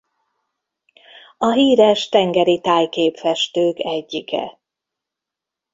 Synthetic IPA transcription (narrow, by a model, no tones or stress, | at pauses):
ɒɦiːɾɛʃt̪ɛŋɡɛɾit̪aːjkeːpfɛʃt̪øːkɛɟːikɛ̰